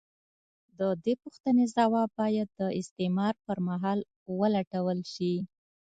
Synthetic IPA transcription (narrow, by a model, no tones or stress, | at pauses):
d̪əd̪epuxt̪ənezawɑbɑjad̪ːəɪst̪emɑɾpəɾmaɦɑl | wəlaʈawəlʃi